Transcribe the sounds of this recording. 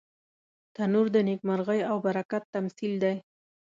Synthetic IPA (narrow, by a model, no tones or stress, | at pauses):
t̪anuɾd̪ənek̚maɾɣəjawbaɾakat̪ːamsild̪aj